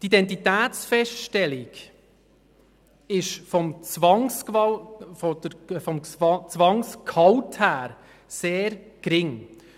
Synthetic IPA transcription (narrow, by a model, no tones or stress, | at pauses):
tidɛnt̬itæːtsfɛʃtʃtɛlɪɡ̥ | ɪʃfɔmt͡svɑŋs | fɔdəfɔmt͡sʋɑŋskʰɑwthæːɾ | seːɾ | kɾɪŋ